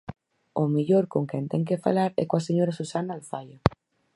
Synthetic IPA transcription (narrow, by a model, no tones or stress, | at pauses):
omiʎoɾkoŋkɛnt̪ɛŋk̬efa̰laɾɛ̰koaseɲoɾasusanaːlfaja